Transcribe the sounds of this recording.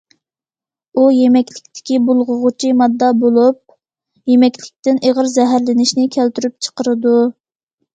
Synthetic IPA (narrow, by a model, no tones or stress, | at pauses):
ujemɛkʲlɪkʲt̪ʰɪ̥kʲibulˠʁʊʁʊt͡ʃʰimɑd̪ːɑbolˠup̚ | jemɛkʲlɪk̚ʲt̪ɪnʔeʁəɾzɛɦæɾlɪnɪʃnɪkʲʰælt̪yɾyp̚t͡ʃʰə̥qəɾɨd̪u